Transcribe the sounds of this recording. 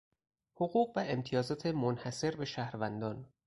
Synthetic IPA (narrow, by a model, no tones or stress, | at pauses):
hoɣuːɣvæʔemt̪ʰijɒːzɒːt̪ʰemonhæse̞ɾbe̞ʃæhɾvænd̪ɒːn